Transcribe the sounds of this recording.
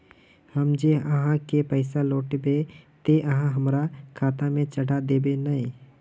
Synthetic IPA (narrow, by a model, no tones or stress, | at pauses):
həmd͡ʒeəɦãkepəɪsaloːʈbet̪eʔəɦãɦəmɾakʰaːt̪amẽt͡ʃəɽʱad̪eːbenəĩ